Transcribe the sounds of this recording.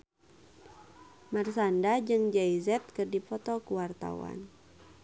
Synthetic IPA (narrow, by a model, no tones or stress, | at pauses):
marsandad͡ʒɨŋd͡ʒaizɛt̪̚kɨrdipɔt̪ɔkuwart̪a̰wa̰n